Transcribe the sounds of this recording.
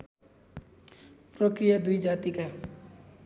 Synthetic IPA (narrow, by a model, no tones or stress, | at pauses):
prʌkrijad̪ujd͡zat̪ika